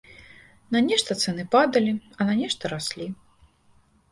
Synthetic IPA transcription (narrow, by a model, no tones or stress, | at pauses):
nɐnʲɛʂt̪ɐt̪sɛnɨpad̪ɐlʲiɐnanʲɛʂt̪ɐɾasʲlʲi